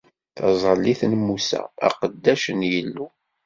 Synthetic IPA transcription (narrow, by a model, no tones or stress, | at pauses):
θɑzˤəlːiθnmusæ̰ːqəd̪ːæʃənjəlːu